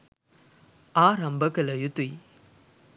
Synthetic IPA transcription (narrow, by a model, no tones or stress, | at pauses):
aːɾɐmbɐkɐlɐjut̪uj